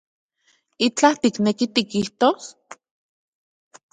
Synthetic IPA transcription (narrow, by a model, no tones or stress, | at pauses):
it͡ɬat̪iknekit̪ikiht̪os